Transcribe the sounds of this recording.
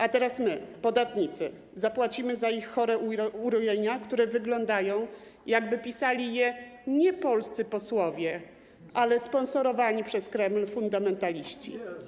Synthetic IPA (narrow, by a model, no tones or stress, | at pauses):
ʔat̪ɛɾasmɘpɔd̪at̪ɲit̪sɘ̰ | zapwat͡ɕimɘzaixːɔɾɛuɾɔjeɲakt̪uɾɛvɘɡlɔnd̪ajɔ̃w̃ | jaɡbɘpʲisalʲijɛɲɛpɔlst̪sɘpɔswɔvʲjɛ | ʔalɛspɔnsɔɾɔvaɲipʂɛskɾɛmlfund̪amɛnt̪alʲiɕt͡ɕḭ